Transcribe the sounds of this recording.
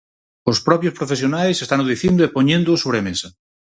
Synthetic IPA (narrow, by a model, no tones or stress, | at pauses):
ospɾɔpjospɾofes̬jonajsest̪anoðiθind̪oepoɲẽnd̪ʊsoβ̞ɾemesɐ